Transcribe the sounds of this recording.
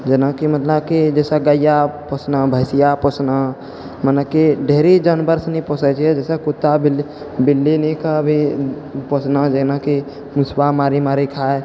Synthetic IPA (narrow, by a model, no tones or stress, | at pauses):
d͡ʒenakimət̪ləbkid͡ʒɛsaɡəjapɔsnabʱəɪsijapɔsna | mənəkiɖʱeɦɾid͡ʒənbəɾsnipɔsət͡ʃʰɛd͡ʒɛsɛkot̪ːabl | bilːinikabʱi | pɔsnad͡ʒenaki | musbamaɾimaɾikʰae